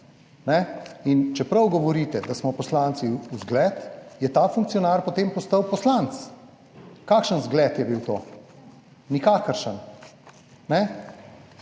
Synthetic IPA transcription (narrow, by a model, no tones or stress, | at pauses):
nɛint͡ʃɛpɾɐwɡɔʋɔɾiːt̪ɛd̪asmɔpɔslant̪siuzɡlɛt̪jɛt̪afuŋk̚tsijɔnaːɾpɔt̪empɔst̪əwpɔslant̪s | kaːkʃənzɡlɛt̪jɛbiwt̪o̰ː | nikaːkəɾʃən | nɛ